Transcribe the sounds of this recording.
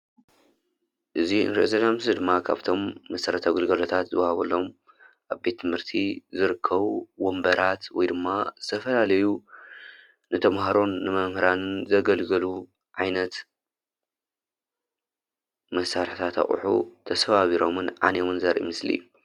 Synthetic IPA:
ʔɨziɨ̰nɾiʔzɐlamsɨd̪ɨmːakʰa̰βt̪ʰo̞mːɐsɐɾɐt̪ʰaɡɨlɡɐlot̪ʰat̪zɨwɐhaβɐlːo̞m | ʔaβbe̞t̪ʰːɨmhɨɾt̪ʰizɨɾɨkʰːɐβuwombɐɾʔat̪wɔ̰jd̪ɨmːazɨt̪ʰɐfɐlalɐju | nɨt̪ʰɐmhaɾo̞nːɨmɐmhɨɾanɨnzɐɡɐlɡɐlu | ʕajnɐt̪ | mɐsːaɾħit̪ʰat̪ʰa̰χʼṵħṵt̪ʰɐsfɐβaβiɾo̞mɨnʕa̰newɨnzɐɾʔḭmɨslḭjːu

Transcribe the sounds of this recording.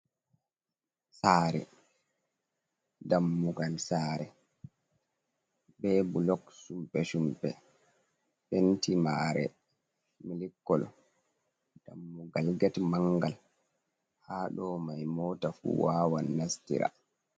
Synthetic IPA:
saːɾɛ̰ | damːuɡalsaːɾɛ | bɛːbulɔksumpɛsumpɛ | fentʰimaɾɛ̰ | milikːɔlɔ̰ | d̥amːuɡalɡɛtmaŋɡal | haɗɔmajmɔːtafṵwaːwanːastḭɾa̰

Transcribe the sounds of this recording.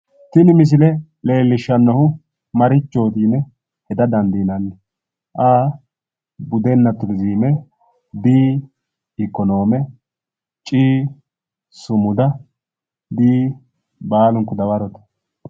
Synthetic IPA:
t̪ɪnɪmɪs̬ɪlɛle̞ːlːɪʃːɐnːɐhʊ | mɐɾɪt͡ʃːo̞ːt̪iːnɛ | hɛd̪ɐd̪ɐnd̪iːnɐnːɛ | ʔaː | bʊd̪ɛnːɐt̪ʊɾziːmɛ | biː | ɪkːɔno̞ːmɛ | t͡ʃʼiː | sʊmʊd̪ɐ | b̪iː | baːlʊŋkːʊd̪ɐwɐɾɔt̪ɐ̥

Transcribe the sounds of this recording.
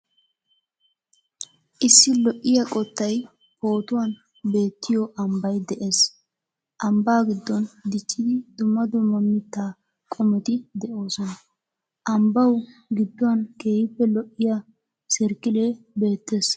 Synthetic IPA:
ʔɪsːɪlɔʔːɪjakʼɔt̪ːɐj | po̞ːt̪ʊwɐn | be̞ːt̪ːɪjɔʔɐmbɐjd̪ɛʔe̞ːs | ʔɐmbaːɡɪd̪ːɔnd̪ɪt͡ʃʼːɪd̪ɪd̪ʊmːɐd̪ʊmːɐmɪt̪ːaː | kʼɔmɛt̪ɪd̪ɛʔo̞ːsɔnɐ | ʔɐmbɐwʊɡɪd̪ːɔwɐnke̞ːhɪpːɛlɔʔːɪja | sɛɾkːɪle̞ː | be̞ːt̪ːe̞ːs

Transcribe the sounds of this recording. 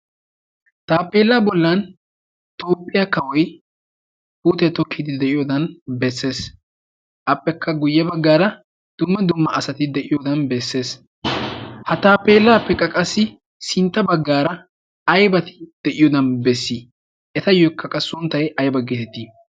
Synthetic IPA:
t̪aːpːe̞ːlːaːbɔlːɐn | t̪oːpʼːɪjakɐwɔj | buːt̪ɛt̪ɔkːɪd̪ɪd̪ɛʔɪjɔd̪ɐnbɛsːe̞ːs | ʔɐpʼːɛkʰːɐɡʊjːɐbɐɡːaːɾɐ | d̪̥ʊmːɐd̪ʊmːɐʔɐsɐt̪ɪd̪ɛʔɪjɔd̪ɐnbɛsːe̞ːs | hɐt̪aːpːe̞ːlːaːpːɛkʼːɐkʼɐsːɪ | sɪnt̪ːɐbɐɡːaːɾɐ | ɐjbɐt̪ɪ̥d̪̥ɛʔɪjɔd̪ɐnbɛsːi | ʔɛt̪ɐjɔkʰːɐkʼɐsʊnt̪ːɐjɐjbɐɡeːt̪ɛt̪ːi

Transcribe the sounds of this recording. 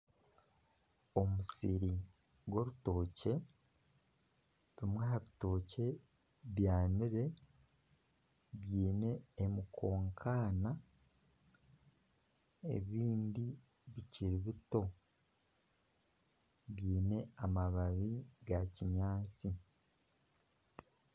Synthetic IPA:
o̞musiɾi | ɡwo̞ɾuto̞ːce̞ | βimwahaβito̞ːce̞ | βjaːniɾe̞ | βjiːne̞ːmukʰo̞ːŋkʰaːna | ḛβiːndi | βiciɾiβito̞ | βjiːne̞amaβaβiɡaciɲaːt͡si

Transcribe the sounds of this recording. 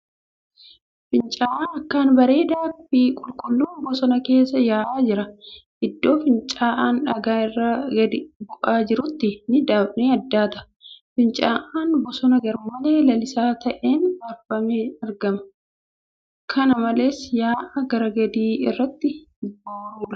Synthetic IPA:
fɪnt͡ʃʼaːʔaːnɐkːaːnbɐɾe̞ːd̪aːbikʼʊlkʼʊlːuːnbɔsɔnɐke̞ːsːɐjaːʔaːd͡ʒɪɾɐʔɪd̪ːo̞ːfɪnt͡ʃʼaːʔaːnɐɡaːɪrːɐɡɐd̪ɪbʊʔaːd͡ʒɪɾʊt̪ːɪnɪd̪aːbneːɐd̪ːaːt̪ɐ̥ | fɪnt͡ʃʼaːʔaːnbɔsɔnɐɡɐɾmɐle̞ːlɐlɪsaːt̪ɐʔeːnɐɾfɐmeːɐɾɡɐmɐ | kʰɐnɐmɐle̞ːsjaːʔɐɡɐɾɐɡɐd̪iːɪrːɐt̪ːɪboːɾuːᶑɐ̥

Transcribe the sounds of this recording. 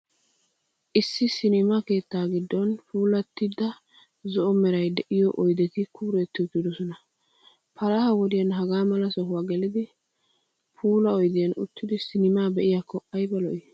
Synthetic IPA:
ʔɪsːɪsɪnɪmɐke̞ːt̪ːaːɡɪd̪ːɔnpuːlɐt̪ːɪd̪ːɐ | zɔʔɔmɛɾɐjd̪ɛʔɪjɔʔɔjd̪ɛt̪ɪkʰʊbɾɛt̪ːɪʊt̪ːɪd̪ɔsɔnɐ | pʰɐlɐhɐwɔd̪ɪjɐnɦɐɡaːmɐlɐsɔɦʊwaːɡɛlɪd̪ɪ | pʰuːlɐɔjd̪ɪjɐnʊ̰t̪ːɪd̪ɪsɪnɪmaːbɛʔɪjakːɔʔɐjbɐlɔʔɪ

